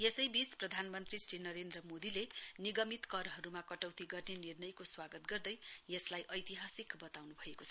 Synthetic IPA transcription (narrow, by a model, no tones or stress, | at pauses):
jesʌjbisprʌd̪ʱanmʌnt̪risrinʌɾend̪rʌmod̪ileniɡʌmit̪kʌrɦʌɾumakʌʈʌwt̪iɡʌrnenirnʌjkoswaɡʌt̪ɡʌrd̪ʌjjʌslajʔʌjt̪iɦasikbʌt̪awnubʱʌekot͡sʰʌ